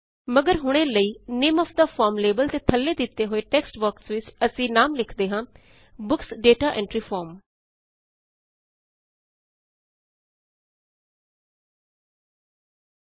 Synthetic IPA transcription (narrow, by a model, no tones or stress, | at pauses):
məɡəɾɦʊɽ̃eːləiːnemɔːpʰd̪aːpʰɔːɾmleːbəlt̪eːt̪ʰəlːeːd̪ɪt̪ːeːɦoːeːʈɛːksʈbəksʋɪt͡ʃəsĩːnaːmlɪkʰd̪eːɦãː | bʊksɖeːʈaːʔɛ̃ːɳʈɾiːpʰɔːɾm